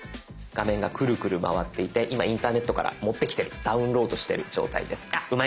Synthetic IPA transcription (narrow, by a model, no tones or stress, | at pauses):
ɡ̥amẽ̞ŋɡakɯ̟ɾɯ̟kɯ̟ɾɯ̟ma̰β̞at̪ːe̞it̪e̞ʔimaĩnt̪aːne̞t̪ːo̞ka̰ɾʔa̰mo̞t̪ːe̞kʲt̪e̞ɾɯ̟d̪̥aɯ̟̃nɾo̞ːd̪o̞ɕi̥t̪e̞ɾɯ̟d͡ʑo̞̰ːt̪a̰ḭd̪e̞sɨ̥aɯ̟ma